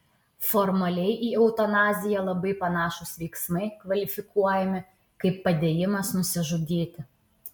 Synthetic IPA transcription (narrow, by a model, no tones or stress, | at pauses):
fɔɾmɐlʲɛɪʔiːɛʊt̪ɐnɑːzʲɪjɛlˠɐbɐɪpɐnɑːʃʊsʋʲɛɪksmɐɪkʋɐlʲɪfʲɪkʰuɔjɛmʲɪ | kɐɪpːɐd̪ʲeːjɪmɐsnʊsʲɪʒʊd̪ʲeːt̪ʲɪ